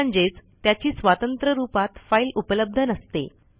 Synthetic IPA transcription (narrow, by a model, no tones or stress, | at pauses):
ɲd͡ʑet͡st̪jat͡ɕiːsʋat̪ənt̪ɾəɾupat̪failupələb̚d̪ʱənəst̪ḛ